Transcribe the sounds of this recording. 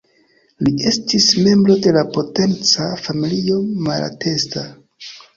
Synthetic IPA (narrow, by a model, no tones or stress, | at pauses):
lie̞stisme̞mbɾo̞de̞lapo̞te̞nt͡safamilio̞mala̰te̞sta